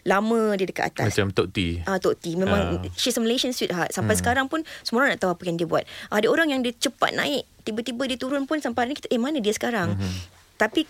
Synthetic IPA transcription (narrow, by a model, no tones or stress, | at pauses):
lamə̃diədəkat̪̚a̰t̪amast͡ʃamt̪oʔt̪ḭat̪oʔt̪imẽmãŋʃisəmileʃənswit̪̚ɦat̪sampajsə̥kaɾaŋpʊnsəmoɾahnaʔt̪auapajandiəbua̰t̪̚ʔadaoɾaŋjaŋdiət͡ʃəpa̰t̪̚nã̰ɪk̚t̪ibət̪ibədiət̪uɾʊnpʊnsampaaɾnĩki̥t̪aʔemanãdiəsə̥kaɾaŋ | t̪api